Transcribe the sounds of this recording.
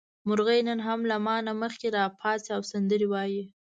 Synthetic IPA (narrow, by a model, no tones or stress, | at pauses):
mʊɾɣəjnənɦamlamɑnaməxkeɾɑpʰɑsiawsand̪əɾewɑji